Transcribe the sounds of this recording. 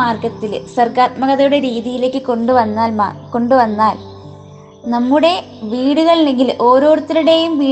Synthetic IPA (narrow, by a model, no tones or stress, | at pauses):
aːrkɐt̪ːilsɐrɡaːt̪̚mɐɣɐðɐjuɽe̞ɾiːðijile̞ːkːɨkoɳɖuʋɐnːaːlmko̞ɳɖuʋɐnːaːl | nɐmːuɽe̞ | ʋiːɽuɣɐɭilːe̞ŋɡilʔo̞ːɾo̞ːɽut̪ːiɾuɽe̞jumʋiː